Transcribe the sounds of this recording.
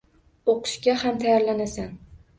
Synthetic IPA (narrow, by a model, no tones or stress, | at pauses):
oqʰɨ̥ʃkʲahamt̪ʰajaɾlanasan